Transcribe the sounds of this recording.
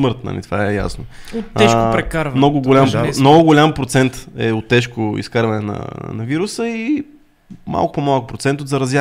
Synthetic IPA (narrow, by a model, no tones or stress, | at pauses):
mɤɾt̪na̰lḭt̪ovaɛja̰snooɛʃkʊpɾɛkaɾvmnɔɡʊɡolʲammnɔɡʊɡolʲampɾot̪sɛnt̪ɛot̪ːɛʃkʊḭskaɾvɐnɛnɐ̰nɐviɾʊsəi | ma̰lˠkʊ̥pomalˠkʊpɾot̪sɛnt̪otd̪zɐɾɐzja